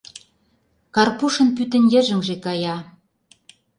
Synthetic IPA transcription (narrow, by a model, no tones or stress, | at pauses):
kɑrpuʃɤ̆npyt̪ə̆nʲjə̆ʒə̆ŋʒekɑjɑ